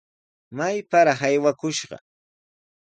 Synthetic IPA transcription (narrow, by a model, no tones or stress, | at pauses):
majpaɾɑχajwakʊʃɢɑ̰